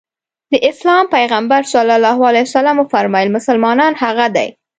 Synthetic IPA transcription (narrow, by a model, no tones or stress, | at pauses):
d̪əʔɪslɑmpajɣambaɾsalalɑhwalajsalamofaɾmɑjɪlmʊsalmɑnɑnhaɣad̪a̰j